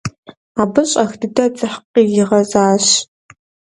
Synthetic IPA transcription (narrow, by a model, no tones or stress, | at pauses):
aːbɨɕʼɐxdɨdɐt͡sʼɨħqiːjɪʁɐzaːɕ